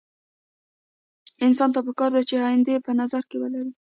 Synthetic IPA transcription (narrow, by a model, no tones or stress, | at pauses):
ɪnsɑnt̪ap̬əkɑɾd̪at͡ʃeɑjɪnd̪epənazaɾkewəlaɾi